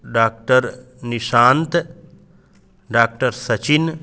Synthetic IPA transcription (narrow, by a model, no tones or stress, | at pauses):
ɖaːk̚ʈəɾ | niʃaːnt̪ | ɖaːk̚ʈəɾsɐt͡ʃin